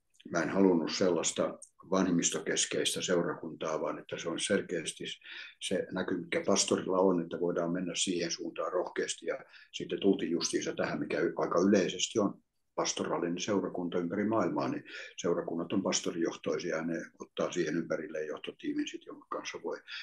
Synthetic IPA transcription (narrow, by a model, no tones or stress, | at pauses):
mæenhɑlunːusselːɑst̪ɑʋɑnhimːist̪okeskeist̪æseurɑkunt̪ɑːʋɑːnet̪ːæseonsselkeːest̪isenækymikːæpɑst̪orilːɑonet̪ːæʋoidɑːmmenːæssiːhensuːnt̪ɑːrohkeːst̪ijɑsit̪ːet̪ult̪iːjjust̪iːsɑt̪æhæmmikæyɑikɑyleisest̪ion | pɑst̪orɑlːinenseurɑkunt̪ɑympærimɑːilmɑ̰ːniseurɑkunːɑt̪ompɑst̪orijoht̪oisiɑneot̪ːɑːsiːhenympærilːejjoht̪ot̪iːminsit̪joŋku̥kɑnsːɑʋoi